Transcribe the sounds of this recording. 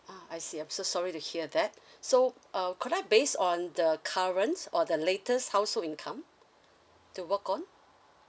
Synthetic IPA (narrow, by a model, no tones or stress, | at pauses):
aaɪjsiãɪ̃msosɔɹituhiədɛt̚soʔakʰudaɪbesɔ̃ndəkʰaɹə̃nsɔdəletʰəshaʊsholĩnkʰãm | tuwəkɔ̃n